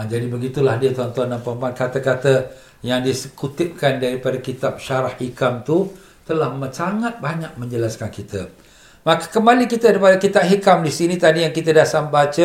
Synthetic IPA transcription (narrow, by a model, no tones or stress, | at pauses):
d͡ʒadibəɡit̪ulahdiət̪ɔnt̪ɔnːampəmpankat̪akat̪ə | jaŋdisəkut̪ɪp̚kandaɾipadakit̪ap̚ʃaɾahhikamt̪u | t̪əlahməsaŋat̪̚baɲak̚mə̃ɲd͡ʒəlaskankit̪ə | makḁkəmaliŋkit̪əɾipadakit̪aʔ̚ɦikamdisinĩt̪adijaŋkit̪ədasambat͡ʃə